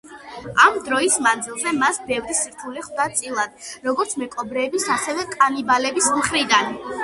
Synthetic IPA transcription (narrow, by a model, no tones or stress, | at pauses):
amd̪ɾɔismand̪zilˠzɛmasbɛvɾisiɾt̪ʰuliχd̪at̪sʼilˠad̪̥ɾɔɡɔɾt̪sʰmɛkʼɔbɾɛːbisasɛvɛkʼanibalɛbismχɾid̪an